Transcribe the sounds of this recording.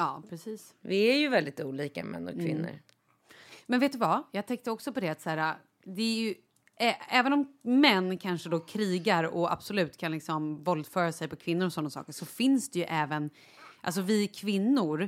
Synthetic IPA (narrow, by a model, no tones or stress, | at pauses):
jɑːpʰɾɛsiːs | vɪæɾjɵvɛld̪ɪt̪uːliːka̰mɛ̰nːɔ̰kkvɪ̰nːə̰ɾ | mɛnveːt̪d̪ɵvajɑːɡt̪ʰɛŋkt̪əɔksɔpɔd̪ɛat̪sæːɾa | d̪ɛæɾjɵ | ʔɛɛːvənɔmmɛnːkʰanʂəd̪ɔkʰɾiːɡaɾɔa̰b̥sɔlʉ̟ːt̪kʰanlɪksɔmvɔld̪fœːɾasɛjpɔkʰvɪnːʊɾɔsɔnːasɑ̰ːkəʂɔfɪnsd̪ɛjɵʔɛːvən | ʔa̰ls̬ɔvɪkʰvɪnːʊɾ